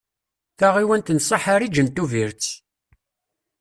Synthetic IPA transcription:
θæʁiwənt̪ənsˤɑħaɾid͡ʒənt̪uviɾt͡s

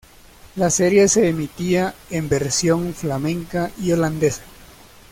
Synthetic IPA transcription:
laseɾje̞se̞ːmit̪iaembe̞ɾsjo̞ŋflamẽ̞ŋkaʔio̞land̪esḁ

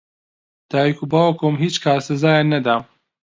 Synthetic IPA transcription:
d̪̥aːikʰubaːwɐkomɦiːt͡ʃkʰaːɾsɐzaːjanɐd̪a

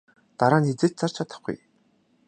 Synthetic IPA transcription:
t̪aɾaːnxet͡sĕːɬt̪̚t͡sʰar̥t͡ɕʰat̪ə̆χɡṵj

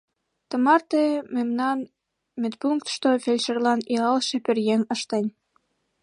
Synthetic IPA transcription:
t̪ə̆mɑrt̪ememnɑn | met̪̚puŋk̚t̪ʃt̪ofelʲʃerlɑniɑlʃĕperjeŋəʃt̪enʲ

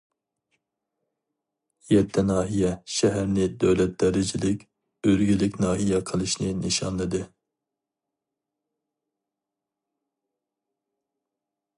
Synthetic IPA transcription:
jɛt̪ʰːɛnɑːɦijɛʃɛɦæɾnɪd̪øwlɛt̪̚d̪̥ɛɾɪd͡ʒɪlɪkʲ | øɾɡʲylɪkʲnɑːɦijɛqʰəlˠɨʃnɨnɨʃɑnlˠɨd̪ɨ

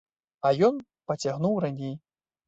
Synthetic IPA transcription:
ɐjɔn | pɐt͡sʲaɣnuwranʲej

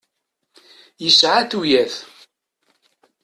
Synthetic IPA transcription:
jəsʕaθujæθ

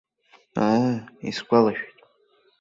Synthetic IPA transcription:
aisɡʷalaʃᶣtʼ

